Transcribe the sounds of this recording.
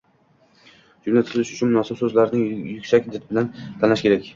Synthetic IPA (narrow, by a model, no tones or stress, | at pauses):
d͡ʒʊmlat̪ʰɪɾɪlɪʃʊt͡ʃʰʊnmʊnɒːsɪbsɵzlaɾɪnɪŋjʊkʲsakʲɪd̪at̪ɪbɪlant̪ʰanlaʃkʲʰe̞ɾakʲ